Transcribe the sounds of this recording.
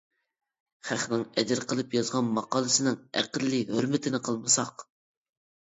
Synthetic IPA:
χæχnɪŋɛd̪ɪɾqʰəlˠɨpjɑzʁɑnmɑqɑːlˠɨsɪnɪŋæ̰qəlːɨhøɾmɪt̪ʰɪnɪqʰəlˠmɨsɑq

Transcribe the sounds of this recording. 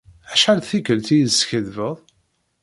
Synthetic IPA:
æʃħælθikəlt̪ijsçəðvəðˤ

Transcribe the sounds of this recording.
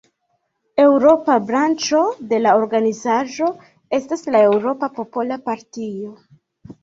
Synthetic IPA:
e̞wɾo̞pabɾant͡ʃo̞de̞lao̞ɾɡanizaʒo̞ | e̞staslae̞wɾo̞papo̞po̞lapaɾtio̞

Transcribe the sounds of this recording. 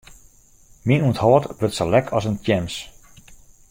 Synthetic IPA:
minuənthɔːtbrøtsəlɛkʰɔsəntjɛms

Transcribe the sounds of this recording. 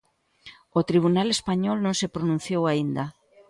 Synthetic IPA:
ot̪ɾiβ̞unalespaɲɔlnõŋsepɾonũn̟θjowaind̪a

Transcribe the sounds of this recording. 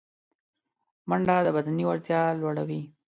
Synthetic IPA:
maɳɖad̪əbad̪aniwaɾt̪jɑlwaɽawi

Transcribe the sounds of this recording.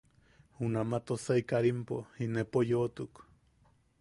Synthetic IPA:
hunamat̪osaikaɾimpohinepojot̪uk

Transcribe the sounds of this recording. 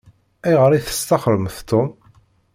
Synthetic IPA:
æjʁəɾˤiθə̥st̪ɑχɾəmθt̪ːom

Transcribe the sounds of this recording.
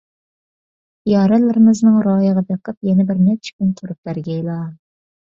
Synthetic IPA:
jɑːɾɛlːɪɾɪmɪznɨŋɾɑːjəʁɑd̪eqʰəp̚jɛnɛbɪɾnɛt͡ʃʰi̥kʲynt̪ʰʊɾup̚b̥æɾɡʲɛjlˠɑ

